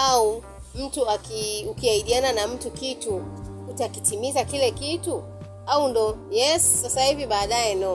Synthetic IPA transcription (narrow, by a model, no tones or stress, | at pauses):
au | m̩tuakiukiahiɗiananam̩tukitu | utakitimizakilɛkitu | aundɔjɛsːasahiviɓaːɗajɛnɔ